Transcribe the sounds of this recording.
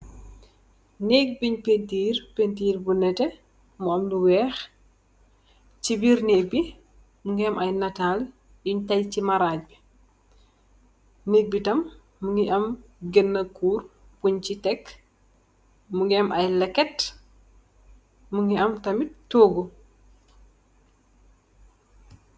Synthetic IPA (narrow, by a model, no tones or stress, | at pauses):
nek̚biɲpentiːrpentiːɾbunɛtɛ | muɐmluwɛːx | t͡ʃibiɾneːɡ̚bi | muŋɡiɛmʔɐjnɐtal | iɲtɐjcimɐɾac̚bi | nek̚bitɐmː | uŋɡiʔɐmɡenːɐkuːr | puɲt͡ʃitɛk | muŋɡɐmʔɐjlɛkːɛt | muŋɡiɐmtɐmittːoːɡu